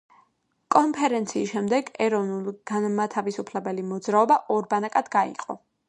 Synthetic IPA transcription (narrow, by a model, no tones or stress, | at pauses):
kʼɔnpʰɛɾɛnt̪sʰiːsʃɛmd̪ɛɡɛɾɔvnulˠɡ̥anmat̪ʰavisupʰlɛbɛlimɔd̪zɾaɔbaʔɔɾbanakʼad̪ɡaḭqʼɔ̰